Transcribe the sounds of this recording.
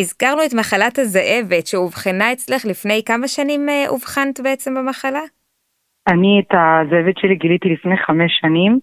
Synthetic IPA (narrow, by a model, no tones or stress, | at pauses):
izkaʁnuetmaχalathazaʔe̞vetʃeuvχinae̞t͡sle̞χlifne̞jkamaʃanimeʔṵvχant̪beet͡se̞mbemaχala | anietazoevetʃeliɡilit̪ilifnejχameʃːanim